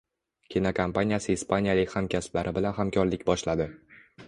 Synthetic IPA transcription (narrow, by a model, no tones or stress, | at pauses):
kʲʰinakʰampanijasɪːspʰanijalɪkʲhamkʲʰasɪ̥plaɾʔɪbɪlanhamkʲʰɒɾlɪkʲbɒʃlad̪ɪ